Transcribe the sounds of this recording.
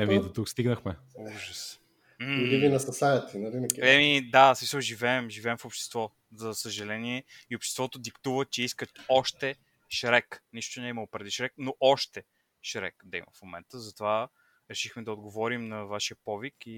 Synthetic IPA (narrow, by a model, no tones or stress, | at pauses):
ɛmid̪ot̪ukst̪iɡnəxmɛ | uʒəs | m̩uivinɐst̪ɐsanɛt̪inɐvinɐkʲɛmid̪asmisəlˠʒivɛːmʒivɛːmfopʃt̪ɛ̥st̪vɔ | zɐsəʒɐlɛniɛiopʃt̪ɛ̥st̪vɔt̪od̪ikt̪uvət͡ʃɛiskət̪ɔʃt̪ɛ | ʃɾɛkniʃt̪onɛiməopɾɛd̪iʃɾɛk̚noʔɔʃt̪ɛ | ʃɾɛ̰kd̪ɐḭmɐ̰fmomɛ̰nt̪əzɐt̪ova | ɾɛʃixmɛd̪ɐod̪ɡovɔɾimnɐvaʃiəpɔviki